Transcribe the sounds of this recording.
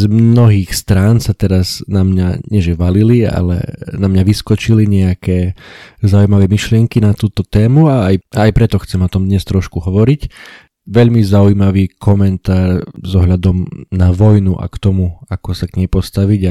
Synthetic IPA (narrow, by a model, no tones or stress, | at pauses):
zmnɔɦiːxst̪ɾaːnsat̪ɛɾaznamɲaɲɪɛʒɛʋalilia̰lɛ̰namɲaʋiskɔt͡ʃiliɲɛakɛːzaujmaʋɛːmiʃlɪɛŋkinat̪uːt̪ɔt̪ɛːmuaːjaːjpɾɛt̪ɔxt͡sɛmɔt̪ɔmd̪ɲɛst̪ɾɔʃkuɦɔʋɔɾic | ʋɛʎmizaujmaʋiːkɔmɛnt̪aːɾzɔɦʎad̪ɔmnaʋɔjnuʔa̰kt̪ɔmuakɔsaɡɲɛjpɔst̪aʋiɟa